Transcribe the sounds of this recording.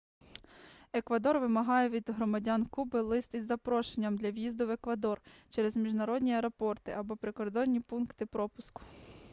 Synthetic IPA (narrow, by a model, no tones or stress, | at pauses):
ekʋɐd̪ɔrʋɪmɐɦɑjɛʋʲid̪ɦɾɔmɐdʲankubɪlˠɪst̪izːɐpɾɔʃenʲːɐmd̪lʲɐwjizd̪ʊʋekʋɐd̪ɔrt͡ʃɛɾezmʲiʒnɐɾɔdʲnʲiɐɾɔpɔrt̪ɪʔɐbɔpɾɪkɔrd̪ɔnʲːipunkt̪ɪpɾɔpʊskʊ̥